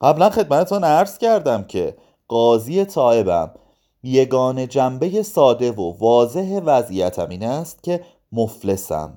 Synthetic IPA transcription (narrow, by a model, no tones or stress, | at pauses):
ɢæblænxe̞d̪̚mæt̪ʰe̞t̪unæɾz̥cæɾd̪æmcʰe̞̰ | ɢ̥ɒːzije̞t̪ʰɒːe̞bæ̰m | je̞ɡɒːne̞d͡ʒæmbe̞je̞sɒːd̪e̞vovɒːze̞ɦevæzijæt̪ʰæ̰miːnæst̪̚cʰe̞ | mofle̞sæ̰m